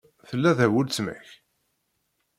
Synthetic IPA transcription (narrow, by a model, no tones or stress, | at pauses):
θəlːæðəwəlt͡sːmæ̰ç